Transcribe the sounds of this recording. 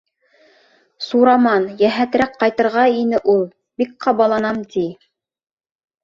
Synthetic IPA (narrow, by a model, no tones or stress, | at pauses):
suɾɑmɑnjæɦæt̪ɾækqːɑjt̪ɤ̆ɾʁɑinɘʔulˠ | bik̚qɑβɑlˠɑnɑmt̪ʲi